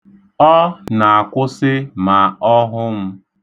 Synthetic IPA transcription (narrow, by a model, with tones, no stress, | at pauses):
ɔ˦na˨a˨kʷʊ˦sɪ˦ma˨ɔ˦ɦʊ˦m̩˦